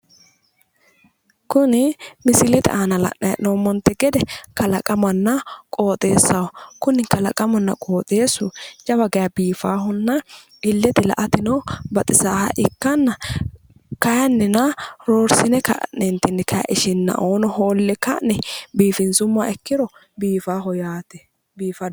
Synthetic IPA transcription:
kʊnɪmɪsɪlɪt̪ɛ̰ʔaːnɐlɐ̰ʔːɐjɐ̰noːmːɔnt̪ːɛɡɛd̪ɛkɐlɐkʼɐmɐnːɐkʼo̞ːt̪ʼe̞ːsːɐwkʊnɪkɐlɐ̰kʼɐmɐnːɐ̰kʼoːt̪ʼe̞ːsʊd͡ʒɐbɐɡɐjɐbiːfaːɦʊnːɐ | ɪlːɛt̪ɛlɐ̰ʔɐt̪ɪnɔbɐt̪ʼɪsaːhɐ̰ʔɪkːɐnːɐ | kɐjɐnːɪnɐɾoːɾsɪnɛkɐ̰ʔnɛnt̪ɪnːɛkɐjɐ̰ʔɪʃɪnːɐ̰ʔoːnɔhoːlːɛkɐʔnɛbiːfɪnsʊmːaɛkːɪɾɔ | biːfaːɦɔjaːt̪ɛ | biːfɐ

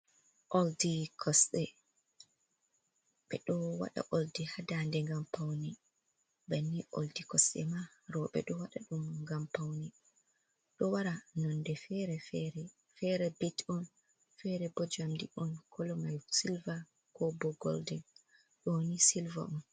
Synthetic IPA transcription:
ʔɔldikʰɔsɗɛ | ɓɛ̰ɗɔwa̰ɗa̰ʔoldihadandɛŋɡampawni | baniʔɔ̰ldikɔsɗɛ̰ma | ɾɔɓɛ̰ɗɔwaɗaɗumŋɡampawni | ɗɔwaɾanɔndɛfɛɾɛfɛɾɛ | fɛɾɛbɛtɔn | fɛɾɛbɔd͡ʒamdiʔɔnkʰɔlɔmajusilva | kɔbɔɡɔ̰ldɛn | ɗonisilva̰ʔɔn

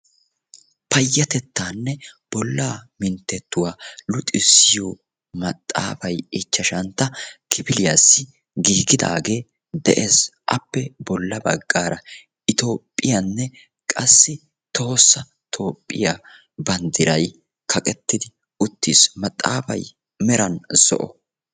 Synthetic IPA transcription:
pɐjːɐt̪ɛt̪ːaːnːɛb̥ɔlːaːmɪnt̪ːɛt̪ːʊwaːlʊt̪ʼɪsːɪjoː | mɐt̪ʼːa̰ːfɐjɪt͡ʃːɐʃɐnt̪ːɐkʰɪpɪlɪjasːɪ | ɡiːɡɪd̪a̰ːɡeː | d̪ɛ̰ʔe̞ːsʔɐ̰pːɛbɔlːɐbɐ̰ɡːaːɾɐ | ɪt̪o̞ːpʼːɪjanːɛ | kʼɐsːɪ | t̪ʰo̞ːsːɐ | t̪ʰo̞ːpʼːɪjaː | bɐnd̪ɪɾɐj | kʰɐkʼɛt̪ːɪd̪ɪ | ʊt̪ːismɐt̪ʼːaːfɐ̰j | mɛɾɐnz̥ɔ̰ʔɔ̰

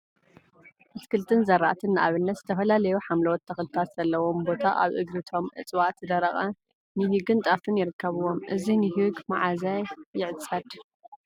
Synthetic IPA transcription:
ʔɨt̪kʰɨlt̪ʰɨnzɐɾaʔt̪ʰɨnːɨʔaβɨnːɐt̪z̥ɨt̪ʰɐfɐlalɐjuħamlɐwot̪ʰːɐxɨlɨt̪ʰat̪z̥ɐlːɐwo̞mbo̞t̪ʰaʔaβʔɨɡɾɨt̪ʰo̞mʕɨ̰t͡sʼwaʔt̪ɨd̪ɐɾɐχʼɐ | nɨhuɡɨnt̪ʼafɨnjɪɾɨkʰːɐβɨwo̞mʔɨzinɨɦuɡmaʕazajːɪʕɨt͡sʼɐd̪

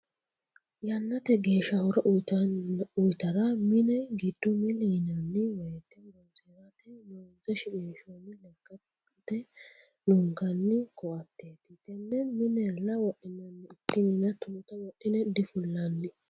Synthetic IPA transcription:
jɐnːɐt̪ɛɡe̞ːʃɐwɔɾɔʔ | ʊjt̪ɐɾɐmɪnɛɡɪd̪̥ːʊmɪliːnɐnːɪwɔjɛt̪ːɛmɐwsɛwɐt̪ɛmɐwzɛʃɪɡeːʃonːɪlɐɡɐ | t̪ɛ | lʊŋɡɐnːɪkɔʔɐt̪ːeːt̪ːɪt̪ɛnːɛmɪnɛlːɐwɔʔɪnːɐnːɪɪt̪ːɪninɐt̪ʊmʊt̪ɐwɔʔʔɪnɛd̪ɪfʊlːɐnːɪ

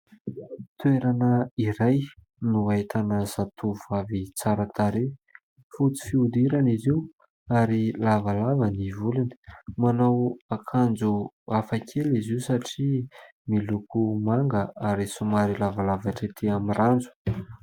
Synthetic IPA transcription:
t̪ueɾanəiɾaj | nuajt̪anəz̥at̪ʰuvuvavit͡saɾat̪aɾe | fut͡si̥fiud̪iɾaniziu | aɾilavalavanivulunmanawakʰand͡zu | afakʲʰeliziusaʈ͡ʂi | milukumaŋɡəaɾisumaɾilavalavaʈ͡ʂet̪ʰiamiɾand͡zu̥

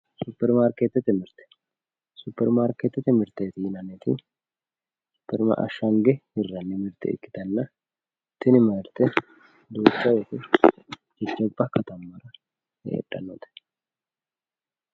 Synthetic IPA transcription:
sʊpːɛɾmaːɾket̪ːɛt̪ɪmɪɾt̪ɛ̥ | sʊpːɛɾmaːɾket̪ːɛt̪ɪmɪɾt̪eːt̪ɪɪnɐnːɛt̪ḭn | sʊ̥pːɛɾma̰ʔʃɐŋɡɛhɪrːɐnːɪmɪɾt̪ɛ̰ɪ̰kːɪ̥t̪ɐnːɐ | t̪ɪnɪmɐɾt̪ɛ | d̪oːt͡ʃːɐjɛt̪ɪ | d͡ʒɪd͡ʒːɐɡbɐkɐt̪ɐmːɐɾɐ | hḛːᶑɐ̰nːot̪ɛ̥

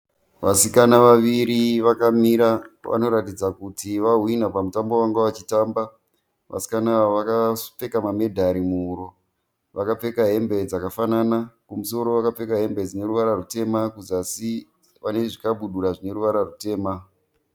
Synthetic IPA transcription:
ʋasikanaʋaʋiɾiʋakamiɾaʋa̰no̞ɾatid͡zakutiʋaɦwinapamutambowaŋɡeʋat͡ʃitamba | ʋʔa̰si̥kanaʋaʋakap͡fe̞kamame̞dʱaɾimuːɾo̞ | ʋakap͡fe̞kaɦe̞mbe̞d͡zakafananakumuso̞ɾo̞ʋakap͡fe̞kaɦe̞mbed͡zine̞ɾuʋaɾarute̞makuzasi | ʋane̞ʐikabʱuɗuɾaʐine̞ɾuʋaɾarute̞ːma

